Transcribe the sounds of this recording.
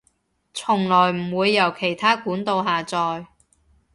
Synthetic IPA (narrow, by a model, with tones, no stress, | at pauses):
t͡sʰʊ˨˩ŋlɔː˨˩jm̩˨˩wuː˨˧jːɐ˨˩wkʰe˨˩jt̪ʰaː˥kuː˨˥nt̪o˧wɦaː˨t͡sɔː˧j